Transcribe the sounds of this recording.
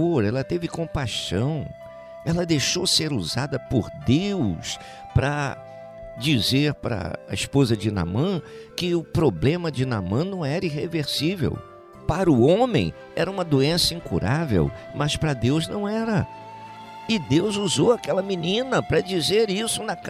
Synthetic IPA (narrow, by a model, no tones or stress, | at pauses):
oɾɛlɐt̪evɪkõpajʃɐ̃w̃ | ɛlɐd̪ejʃoseɾuzad̪ɐpʊɾd̪ews | pɾɐ | d͡ʒizeɾpɾɐ̰ɐ̰ispozɐd͡ʒɪna̰mɐ̃ | kɪʊpɾoblẽmɐd͡ʒɪna̰mɐ̃nɐ̃w̃ɛɾɐiɦeveɾsivḛw | paɾʊõmẽj̃ | ɛ̰ɾɐũmɐd̪oẽsɐĩŋkṵɾavḛwmɐspɾɐd̪ewznɐ̃w̃ɛɾɐ | ɪd̪ewzuzowakɛlɐminĩnɐpɾɐd͡ʒizeɾisʊnɐ